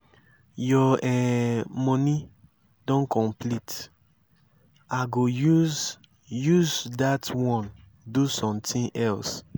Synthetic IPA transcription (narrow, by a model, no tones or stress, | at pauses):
jɔɛmɔni | dɔ̃nkʰɔ̃mpʰlit | aɡojuz | juzdatwɔ̃n | dusɔ̃mtĩnʔɛls